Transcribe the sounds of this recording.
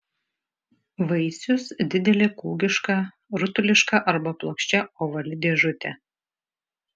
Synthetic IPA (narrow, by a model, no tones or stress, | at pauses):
ʋɐɪsʲʊsd̪ʲɪd̪ʲɛlʲeːkuːɡʲɪʃkɑː | ɾʊt̪ʊlʲɪʃkɑʔɐɾbɐplˠoːkʃʲt͡ʃʲɛoːʋɐlʲɪd̪ʲeːʒʊt̪ʲɛ